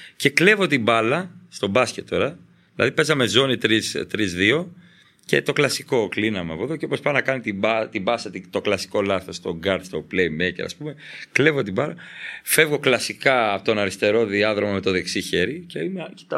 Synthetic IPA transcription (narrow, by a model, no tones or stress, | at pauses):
ce̞kle̞vo̞t̪ibɐlɐst̪o̞bɐscet̪ːo̞ɾɐ | ðilɐ̰ðipe̞zɐme̞zo̞nit̪ɾist̪ɾizðio̞ | ce̞̰t̪o̞klɐsi̥ko̞klinɐmeɐpoeðoceopospɐnɐkɐnit̪ibɐt̪ibɐsɐt̪it̪o̞klɐsi̥ko̞lɐθo̞st̪o̞ɡɐɾt̪st̪o̞plejmeceɾɐ̰spume̞kle̞vo̞t̪ibɐlɐfe̞vɣo̞klɐsikɐt̪o̞nɐɾist̪e̞ɾo̞ðiɐðɾo̞mɐme̞t̪o̞ðe̞ksiçe̞ɾiceimeci̥t̪ɐ